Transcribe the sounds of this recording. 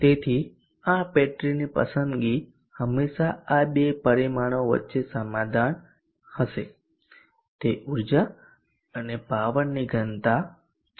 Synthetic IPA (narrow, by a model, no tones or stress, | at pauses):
t̪et̪ʰi | ãpeʈɾinipə̰sənd̪ɡi | həmːeʃaaɓepəɾimaɽ̃oʋə̰tːʃesəmad̪ʱan | həʃe | t̪eʔuɾd͡ʒa | ənepaʋənːiɡʱənt̪a